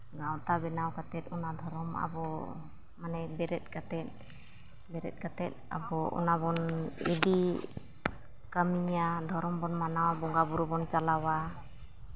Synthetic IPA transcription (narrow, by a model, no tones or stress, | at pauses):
ɡawt̪abɛnawkat̪ɛt̪̚ɔnad̪ʱɔɾɔma̰bɔ | manɛbɛɾɛt̪̚kat̪ɛt̪̚ | bɛɾɛ̰t̪̚ˀkat̪ɛt̪̚a̰bɔʔɔ̰nabɔnɛ̰di | kamiɲad̪ʱɔɾɔmbɔnmanawabɔŋɡabuɾubɔnt͡ʃalawa